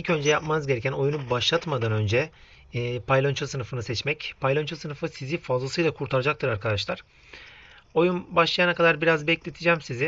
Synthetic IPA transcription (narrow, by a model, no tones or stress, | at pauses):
ilʲcʰø̞nd͡ʒɛjapmanɯzɟe̞ɾɛcʰæno̞junubaʃlˠat̪mad̪anø̞nd͡ʒɛː | pʰajlʲˠant͡ʃʰasɯnɯfɯnɯsɛt͡ʃmɛcpʰajlʲˠant͡ʃʰasɯnɯfɯsizifazlˠsɯjlˠakʰuɾt̪ʰaɾad͡ʒak̚t̪ʰɯɾaɾkʰad̪aʃlˠaɾ̥ | o̞junbaʃlˠajanakʰad̪aɾbiɾazbɛclʲet̪ʰid͡ʒɛmsizɪ